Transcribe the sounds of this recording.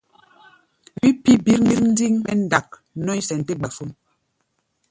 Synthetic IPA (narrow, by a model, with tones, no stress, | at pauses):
wi˦pi˦bi˦ɾn˦i˦ɾn̩˦di˦ŋɓɛ˦n̩˦da˨k̚nɔ˦i˦sɛ˨n̩˨te˦ɡ͡ba˨fo˦m